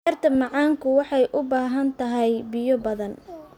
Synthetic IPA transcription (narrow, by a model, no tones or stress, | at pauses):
rt̪ʰɐmɑʕɑːŋkʰʊwɑħɑjʔʊbaːɦɐnt̪ʰɐɦɛjbɪjɔbɐðɐn